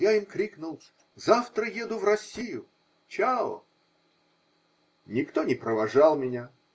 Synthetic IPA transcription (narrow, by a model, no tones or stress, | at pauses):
jaimkɾʲiknʊlˠ | zaft̪ɾəjed̪ʊvrɐsʲːijʊ | t͡ɕao̰ | nʲɪkt̪onʲɪpɾəvɐʐalˠmʲɪnʲa